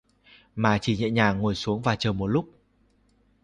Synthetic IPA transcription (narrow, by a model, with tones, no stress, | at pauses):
maː˨˩t͡ɕi˧˩ɲḭ˧˨ɲaː˨˩ŋo˨˩jsu˨˦əŋvaː˨˩t͡ɕəː˨˩jmo˨˩t̚lʊ˦˥k͡p̚